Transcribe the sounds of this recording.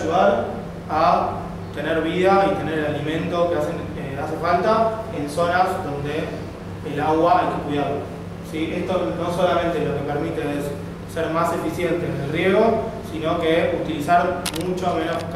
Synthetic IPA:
ʒuðaɾ | a | t̪e̞neɾβ̞ið̞ait̪e̞neɾelalimẽ̞nt̪o̞keasen | easefalt̪aenso̞nasðo̞nd̪e̞ː | laɣwaat̪ekwiðaðo | siest̪ono̞so̞lamẽnt̪elo̞kepeɾmit̪eesː | eɾmase̞fisje̞nt̪eːnelrje̞ɣo̞sino̞keut̪ilisaɾmut͡ʃomẽnosk

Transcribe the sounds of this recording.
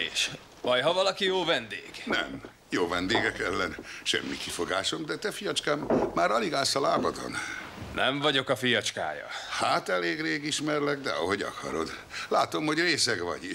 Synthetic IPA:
eːʃ | b̥ɒjɦɒvɒlɒkijoːvɛnd̪eːɡ̥nɛ̰m | joːvɛnd̪eːɡɛkɛlːɛnʃɛ̰mːikifo̞ɡaːʃo̞md̪ɛt̪ɛfijɒt͡ʃkaːmːaːɾɒliɡaːlsɒlaːbɒd̪o̰nnʔɛɱvɒɟo̞kɒfijɒt͡ʃka̰ːjɒ̰haːt̪ɛleːɡreːɡiʃmɛrlɛɡd̪ɛ̰ɒɦo̞ɟɒ̰kʰɒ̰ɾo̞̰d̪ | laːt̪o̞mho̞ɟreːsɛɡʋɒ̰ɟ

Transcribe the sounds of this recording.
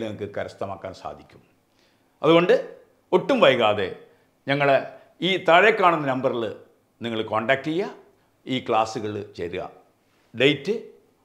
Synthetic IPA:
lniŋɐkːɨkɐɾɐst̪ɐmaːkːaːnsa̰ːd̪ʱikʲːum | ɐ̰ðuɣo̞ɳɖɨ | oʈːumʋɐjɣaːðe̞̰ | ɲɐŋːɐɭe | iːt̪ɐɻekːaːɳunːɐnɐmbɐrilɨ | niŋːɐɭkoːɳɖɐːk̚ʈijːɐ | iːkɭaːsuɣɐɭɨt͡ɕeɾuɣɐ̰ | ɖejtːɨ

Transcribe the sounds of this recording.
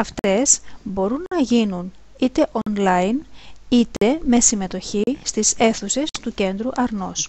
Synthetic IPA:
ɐft̪e̞sbo̞ɾunːɐʝinun | it̪e̞ʔonlɐinit̪e̞me̞sime̞t̪o̞çist̪ise̞θuse̞st̪uce̞nd̪ɾuʔɐɾno̞̰s

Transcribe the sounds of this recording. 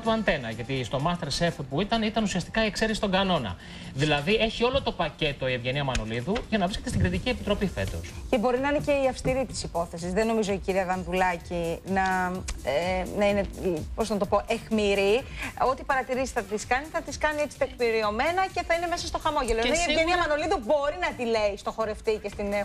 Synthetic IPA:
t̪uɐnt̪e̞nɐʝɐt̪ist̪o̞mɐst̪eɾsefpuit̪ɐnit̪ɐnusiɐst̪i̥kɐie̞kseɾesi̥t̪o̞ŋɡɐno̞nɐ̰ | ðilɐðie̞çio̞lo̞t̪o̞pɐce̞t̪o̞ievʝe̞niɐmɐno̞liðuʝɐnɐvɾisce̞t̪est̪iɡɾit̪iciepit̪ɾo̞pife̞̰t̪o̞̰sce̞bo̞ɾinɐinece̞iɐfst̪iɾit̪i̥sipo̞θe̞sizðe̞no̞mizo̞iciɾiɐðɐnðulɐcinɐenɐine̞posnɐt̪o̞po̞ʔe̞xmiɾio̞t̪ipɐɾɐt̪iɾizi̥sθɐt̪iskɐniθɐt̪iskɐnie̞t͡si̥t̪ekniɾio̞me̞nɐce̞θɐine̞me̞sɐst̪o̞xɐmo̞ʝeloenoievʝeniɐmɐno̞liðubo̞ɾinɐt̪ile̞ist̪o̞xo̞ɾe̞ft̪ice̞st̪in

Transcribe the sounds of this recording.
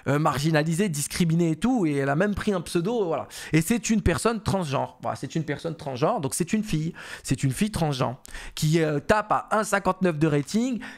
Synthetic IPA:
ømaʁʒinalized̪iskχimineːt̪ueɛlamɛmpχiɛ̃psød̪ovwala̰esɛt̪ynpɛʁsɔnt̪χɑ̃ʒɑ̰̃ʁvwa̰la̰sɛt̪ynpɛʁsɔnt̪χɑ̃sʒɑ̃ʁd̪ɔ̃ksɛt̪ynfijsɛt̪ynfijt̪χɑ̃ʒɑ̰̃kʲiøt̪apaɛ̃sɛ̃kɑ̃t̪nœfd̪əʁet̪iŋɡ

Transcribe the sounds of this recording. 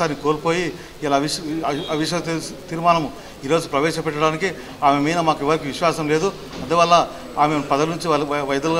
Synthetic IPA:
aːnːikoːlpo̞ːji | ɐlaʋiɐʋiʃ̬ɐt̪iːɾumaːnɐmu | iːɾoːd͡ʒupɾɐʋɛːʃɐpɛʈːɐɽaːniki | aːmemɐjnɐmaːkiʋːɐɾikiʋiʃʋaːsɐmle̞ːd̪u | ɐnd̪uʋɐlːɐ | aːmepɐd̪ɐlnuɲt͡ʃiʋɐjɐd̪ulɡ

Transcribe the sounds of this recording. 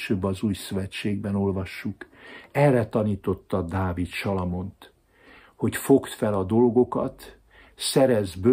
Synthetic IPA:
ʃøːbːɒzuːjsøvɛt͡ʃeːɡ̚bɛno̞lvɒʃːukɛrːɛt̪ɒniːt̪o̞t̪ːɒd̪aːvit̪ʃɒlɒmo̞nt̪ | ho̞cfo̞kt̪fɛlɒd̪o̞lɡo̞kɒ̰t̪ | sɛɾɛzbø

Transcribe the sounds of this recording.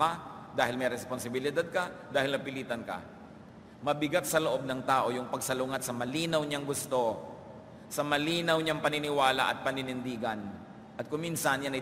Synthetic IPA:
ad̪aːhɪlmɛjɾɛsponsɪbɪlɪd̪ad̪̚kɐd̪aːhɪlnɐpɪliːt̪ɐnkɐ̰ | mɐbɪɡat̪̚sɐloʔo̞b̚nɐŋt̪aːʔo̞jʊŋpɐɡsɐlʊŋat̪̚sɐmɐliːnɐwɲaŋɡʊst̪o̞ | sɐmɐliːnɐwɲaŋpɐnɪnɪwaːla̰ʔɐ̰t̪̚pɐnɪnɪnd̪iːɡɐn | ʔɐt̪̚kʊŋminsɐnjanɐ

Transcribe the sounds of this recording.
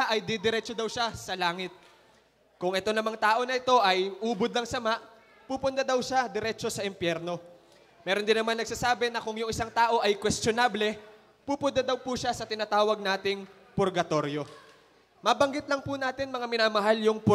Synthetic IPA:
ʔɐjd̪ɛd̪ɛɾɛt͡ʃod̪ɐwʃasɐlaːŋɪt̪̚ | kʊŋʔɛt̪o̞nɐmɐŋt̪aːʔo̞nɐɪt̪o̞ʔɐjʔuːbod̪lɐŋsɐmaʔ | puːpʊnd̪ad̪ɐwʃad̪ɛɾɛt͡ʃo̞sɐɪmpjɛɾno̞ | mɛːɾond̪ɪnɐmanːɐɡ̚saːsaːbɛnɐkʊŋjʊŋɪsaŋt̪aːʔo̞ʔɐjkwɛst̪onablɛ | pupʊnd̪ad̪ɐwpuʃasɐt̪ɪnaːt̪aːwɐɡ̚naːt̪ɪŋ | pʊɾɡɐt̪o̞ɾjo̞ | maːbɐŋɡɪt̪̚lɐŋpunaːt̪ɪnmɐŋamɪnaːmɐɦaljʊŋpʊ

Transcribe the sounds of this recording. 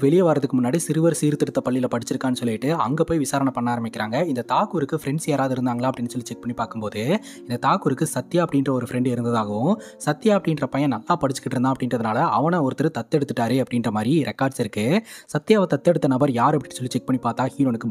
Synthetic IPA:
ʋɛɭɪjɐʋaːɾɐðɯkːɯmʊnːaːɽisɪɾɯʋɐɾsiːɾt̪ːɪɽɯt̪ːɐpɐɭːɪlɐpɐɽɪt͡ʃːɪɾɯkːaːnːɯsɔlːɪɪʈːɯɐ̰ŋɡeːpoːjʋɪsaːɾɐɳɐpːɐɳːaːɾɐmɪkʲːɪɾaːŋɡɐɪnd̪ɐt̪aːkuɾɯkːɯfɪɾɛɳɖsjeːɾaːʋðɯɪɾɯnd̪aːŋɡɐlaːɐpːɐɽɪnːɯsɔlːit͡ʃɛk̚pɐɳːipaːɾkɯmpoːðɯ | ɪnd̪ɐt̪aːkɯɾɯkːɯsɐt̪ːɪjaːɐpɐɽɪnrɐɔɾɯfɾɛɳɖɪɾɯnd̪ɐðaːɣɐʋʊ̃ | sɐt̪ːɪjaːɐpːɐɽɪnrɐpɐjɐ̃nɐlːaːpɐɽɪt͡ʃːɯkːɪʈːɪɾɯnd̪ãɐpɐɽɪnrɐðɯnaːlɐʔɐʋɐnɐɔɾɯt̪ːɪɾɯt̪ɐt̪ːɛɽɯt̪ːɯʈːaːɾeːɐpːɐɽɪnrɐmaːd̪ɾiɾɛkːaːɖsɪɾɯkːɯsɐt̪ːɪjaːʋɐt̪ɐt̪ːɛɽɯt̪ːɐnɐbɐɾjaːɾɐp̬ːɐɽɪːsɔlːit͡ʃɛk̚pɐɳipaːɾt̪aːhiːɾonɯkːɯ

